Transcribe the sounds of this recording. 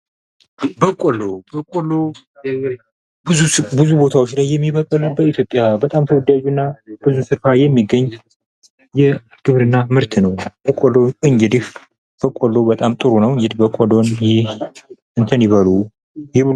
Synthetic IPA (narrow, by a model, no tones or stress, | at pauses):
bəkʷʼolobəkʼolo | bɨubɨzubo̞t̪ʰawot͡ʃːlajːɛmːiβəkʼəlbəit̪jo̞pʼːjabət̪ʼamt̪ʰəwʊd̪ad͡ʒunːab̥ɨzusɨɾfajɛmːiɡəɲː | jɛ | ɡ̥ɨβɾɨnːamɨɾt̪ʰnəwbəkʼoloɨɲd͡ʒɪd̪if | b̥əkʼolːobət̪ʼamt̪ʼɨɾunəwɨɲd͡ʒɪd̪bəkʼolonjɪh | ɨnt̪ʰəniβəlu | jɛbɨ